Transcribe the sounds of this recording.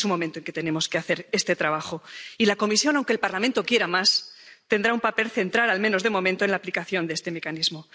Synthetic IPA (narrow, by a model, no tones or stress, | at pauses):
sunmo̞ment̪o̞ŋke̞t̪e̞ne̞mo̞ske̞aθe̞ɾe̞st̪e̞t̪ɾaβ̞axo̞ilako̞misjo̞naw̃ŋkelpaɾlament̪o̞kje̞ɾamast̪e̞nd̪ɾaumpape̞lθe̞nt̪ɾalalmẽ̞no̞zðe̞mo̞mẽnt̪oe̞nlaːplikaθjo̞nd̪eest̪e̞me̞kanizmo